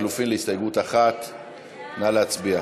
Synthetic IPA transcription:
lufimleist̪ajeɡut̪aχat̪ | naleat͡sbia

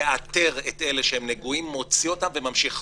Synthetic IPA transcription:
at̪e̞ʁet̪e̞le̞ʃehemneɡuimːo̞t͡siotamvemamʃiχ

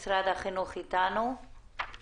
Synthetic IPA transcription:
sɾad̪aχinuχit̪anu

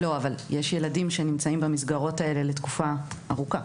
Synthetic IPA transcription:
lo̞avaljeʃje̞ladimʃenimt͡saimbamisɡaʁo̞tae̞le̞le̞tkufaaʁuka

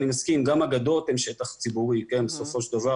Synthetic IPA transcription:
nimaskimɡamaɡad̪ot̪emʃe̞t̪aχt͡sibuʁikenbeso̞fo̞ʃd̪ava

